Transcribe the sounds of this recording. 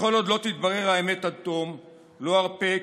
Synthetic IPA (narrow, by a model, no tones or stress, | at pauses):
χo̞lo̞d̪lo̞t̪it̪baʁeʁhaemet̪at̪om | lo̞aʁpe